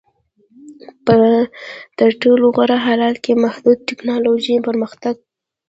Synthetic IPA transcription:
pə | d̪̥əɾʈoloɣaɾaɦalɑt̪kemahd̪ud̪̚tɪknɑloʒipəɾməxt̪aɡ̚

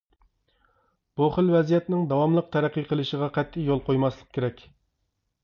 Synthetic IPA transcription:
b̥uχəlwɛzijɛt̪nɪŋd̪ɑwɑmlˠəq̚t̪ʰæɾæqːijqʰəlˠɨʃəʁɑqʰɛt̪ʰːɪjolˠqʰojmɑslˠəq̚kʲʰeɾɛkʲ

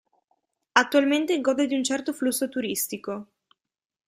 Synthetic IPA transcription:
at̪ːualment̪eɡɔːd̪ed̪iunt͡ʃɛrt̪oflusːot̪uɾist̪iko

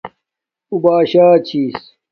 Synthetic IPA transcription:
ubaːɕaːt͡ɕʰiːs

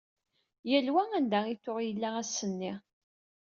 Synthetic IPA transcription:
jælwæænd̪æiθʊʁjəlːææsːənːɪ

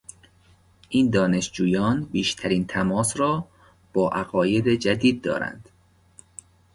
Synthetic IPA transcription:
ʔiːnd̪ɒːne̞ʃd͡ʒuːjɒːnbiːʃt̪ʰæɾiːnt̪ʰæmɒːsrɒː | b̥ɒːʔæɣɒːjed̪ed͡ʒæd̪iːd̪̚ːɒ̰ːɾæ̰nd̪̥

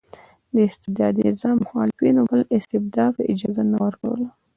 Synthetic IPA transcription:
d̪əɪst̪ɪd̪ɑd̪iɪzɑmʊxɑlɪfinobəlɪst̪ɪbd̪ɑpəʔɪd͡ʒɑzanawəɾka̰wə̰la

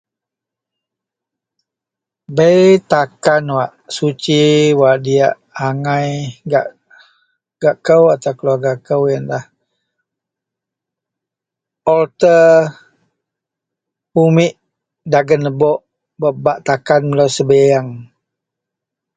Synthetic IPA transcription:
bəjt̪akanwaʔsut͡ʃiwaʔdiaʔ | aŋajɡa̰ʔ | ɡ̥aʔkəwat̪awkəluarɡakəwjanlah | ɔlt̪ə | umɪʔ | daɡənəbɔʔ | bəbaʔt̪akanməlowsəbejaŋ

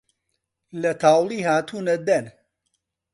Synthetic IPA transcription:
lɐt̪ʰaːwliːhaːt̪ʰuːnɐd̪ɛn

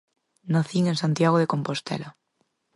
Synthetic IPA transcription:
naθiŋẽnsant̪jaɣ̞oðekompost̪ɛ̰la

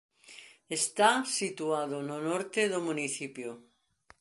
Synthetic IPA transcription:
est̪asit̪uaðononoɾt̪eðomũniθipjo

